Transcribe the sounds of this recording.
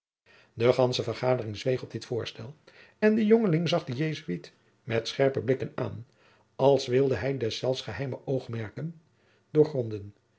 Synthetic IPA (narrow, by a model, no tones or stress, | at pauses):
dəχɑnsəvəɹχaːdərɪŋzʋejχɔb̚dɪtfʊːɹstɛlˠ | ɛndəjoŋəlɪŋzɑχdəjejzyit | mɛtsχɛɹpəblɪkəna̰ːn | ɑlˠsʋɪlˠdəɦɛjdɛsːɛlˠfsχəɦɛjməowχmɛɹkən | dʊːɹχrɔndən